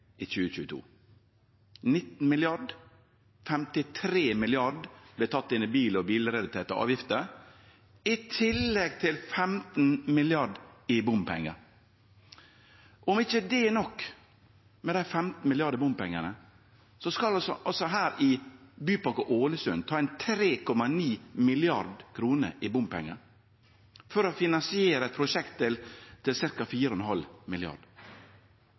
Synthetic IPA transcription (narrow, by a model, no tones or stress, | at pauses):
ɪt͡ʃʉːəc͡çʉːət̪ʰṵː | nɪt̪n̩mɪlɪɑɖ | fɛmt̪ɪt̪ʰɾeːmɪlɪɑɖb̥lɛt̪ʰɑt̪ːɪnːɪbiːlɔbiːlɾɛd̪ɪt̪ʰeːt̪ɑ̰ʔɑ̰ːʋjɪft̪ə | ɪt̪ʰɪlːɛɡt̪ʰɪlfɛmt̪n̩mɪlɪɑɖɪbʊmpʰɛ̰ŋːə̰ɾ | ʔɔɔmɪçəd̪ɛnɔkː | mɛd̪æɪfɛmt̪n̩mɪlɪɑɖəbʊmpɛŋːənə | sɔskɑlsɔ̰ʔɑsɔɦæːɾɪbyːpɑkəʔoːləsʉnt̪ʰɑːɛnt̪ʰɾeːkʰɔmɑniːmɪlɪɑɾɖkʰɾuːnə̰ʔɪbʊmpʰɛ̰ŋːə̰ɾ | fɔɾɔfɪnɑnsɪeːɾəɛt̪̚pʰɾʊʃɛkt̪ʰːɪlt̪ʰɪlsɪɾkɑfiːɾəɔnɦɑlmɪlɪɑ̰ɖ̥